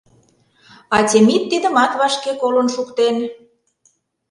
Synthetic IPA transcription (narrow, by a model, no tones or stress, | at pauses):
ɑtʲemit̪ːid̪ə̆mɑt̪βɑʃkekolənʃukt̪en